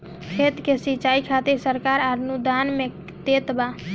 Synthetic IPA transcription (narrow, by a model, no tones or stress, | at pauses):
kʰet̪kesit͡ʃaikʰat̪iɾsəɾkaɾaɾnud̪anme | d̪et̪ba